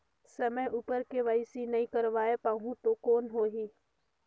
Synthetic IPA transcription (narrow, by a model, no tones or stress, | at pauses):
səməjʔupəɾkeːʋaisinɐĩːkəɾʋaːepaːɦũt̪oːkoːnɦoːɦiː